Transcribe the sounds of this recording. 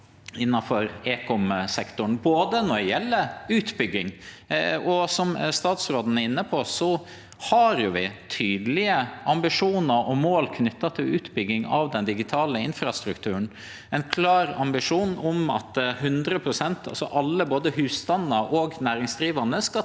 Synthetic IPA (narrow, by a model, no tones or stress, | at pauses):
ɪnːɑfɔɾeːkʰɔmsɛkt̪ʊɳboːd̪ənɔɖɛjɛlːəʉːt̪bʏɡːɪŋ | ɔsɔmst̪ɑːt̪sɾoːd̪n̩ɛɾɪnːəpʰɔsɔ | hɑɾjʊʋɪt̪ʰyːd̪əlɪəʔɑmbɪʂuːnəɾʔɔmoːlkʰnʏt̪ːɑt̪ʰɪlʉːt̪bʏɡɪŋɑ̰ʋd̪ɛnd̪ɪɡɪt̪ʰɑːləɪnfɾɑst̪ɾʉkt̪ʰʉːəɳ̩ | ɛnkʰlɑːɾɑmbɪʂuːnɔmɑ̰t̪ɦʉnd̪ɾəpʰɾʊsɛnt̪ʰɑ̰lsɔ̰ʔɑlːəboːd̪əɦʉːst̪ɑnːəɾʔɔɡnæːɾɪŋsd̪ɾiːʋɑnəskɑ